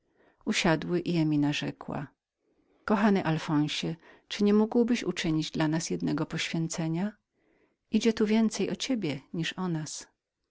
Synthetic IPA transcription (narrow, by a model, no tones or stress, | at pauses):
uɕad̪wɘʔiɛmʲinaʐɛkwa̰ | kɔxanɘʔalfɔ̃w̃ɕɛ | t͡ʂɘɲɛmuɡwbɘɕṵt͡ʂɘɲid͡ʑd̪lanasjɛd̪nɛɡɔpɔɕfʲjɛnt̪sɛɲa | id͡ʑɛt̪uvʲjɛnt̪sɛjɔt͡ɕebʲjɛɲiʂɔnas